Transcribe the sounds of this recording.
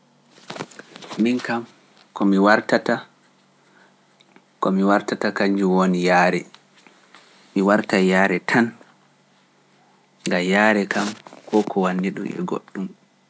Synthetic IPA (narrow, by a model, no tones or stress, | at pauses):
miŋkam | kɔmiwaɾtata | kɔmiwaɾtatakaɲd͡ʒuwoːnijaːɾɛ | miwaɾtajaːɾɛtʰan | ŋɡajaːɾɛkamkʰɔkʰɔwanːiɗṵmɛ̰ɡo̰ɗːum